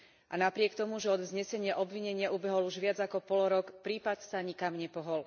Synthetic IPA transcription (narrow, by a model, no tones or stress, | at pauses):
ʔanapɾɪɛkt̪ɔmuʒɛɔd̪ʋzɲɛsɛɲɪaʔɔbʋiɲɛɲɪaʔubɛɦɔluʒʋɪad͡zakɔpɔlɔɾɔkpɾiːpat̪saɲikamɲɛpɔɦɔl